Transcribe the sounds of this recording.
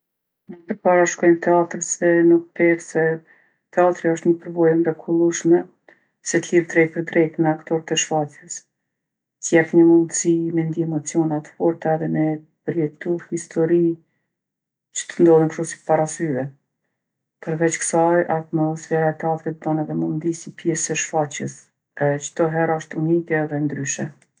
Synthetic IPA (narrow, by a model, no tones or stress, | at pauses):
mədəɾpaɾaʃkɔjmt̪ɛat̪ɾsɛnuk̚p̪ɛɾsɛ | t̪ɛat̪ɾiɔʃt̪ɲəpəɾvɔjəmɾɛkʰulˠuʃmɛ | sɛt̪liɾt̪ɾɛjpəɾd̪ɾɛjt̪mɛakt̪ɔɾt̪ɛʃfat̪ɛs | t̪jɛfɲəmund̪simɛnd̪iɛmɔt͡sjɔnɛt̪fɔɾt̪aɛðɛmɛ | pəɾjɛt̪uɾhist̪ʰɔɾi | t͡ʃə̥t̪ənd̪ɔləŋkɾɔsi̥t̪paɾasyɾɛ | pəɾvɛt͡ʃkə̥sajʔat̪mɔsfɛɾat̪ɛafɾɛt̪̚d̪anɛðɛmund̪isipjɛsɛʃfat͡ɕəs | t͡ʃə̥t̪ɔɦɛɾaʃt̪unikɛðɛnd̪ɾyʃɛ